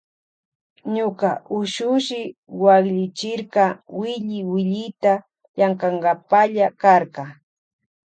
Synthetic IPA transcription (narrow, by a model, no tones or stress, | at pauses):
ɲʊkaʔʊʃʊʃɪwakʎɪt͡ʃɪɾkɑwɪʎɪwɪʎɪjt̪a | ʎaŋkɑŋɡapaʎakaɾqkɑ